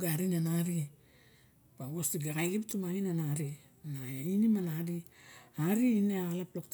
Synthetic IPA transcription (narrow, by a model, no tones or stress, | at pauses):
ɡaɾinanaɾi | pawosiɡakaliptumaŋinanaɾi | nainimanaɾiaɾiineaalaplok̚t